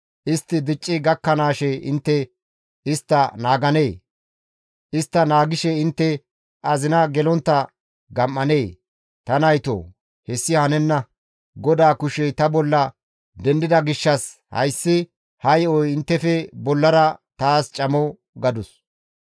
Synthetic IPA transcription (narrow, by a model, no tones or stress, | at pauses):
ʔɪst̪ːɪd̪ɪt͡ʃʼːɪɡɐkːɐnaːʃɛɪ̰nt̪ːɛ | ɪst̪ːɐnaːɡɐneː | ʔɪst̪ːɐnaːɡɪʃɛɪnt̪ːɛ | ʔɐzɪnɐɡɛlɔnt̪ːɐ | ɡɐmːɐne̞ː | t̪ɐnɐjt̪o̰ː | hɛsːɪhɐnɛnːɐ | ɡɔd̪aːkʊʃɛt̪ɐbɔlːɐ | d̪ɛnd̪ɪd̪ɐɡɪʃːɐshɐ̰jsːɪ | hɐjɔjɪnt̪ːɛfɛbɔlːɐɾɐt̪aːst͡ʃʼɐmɔ | ɡɐd̪ʊs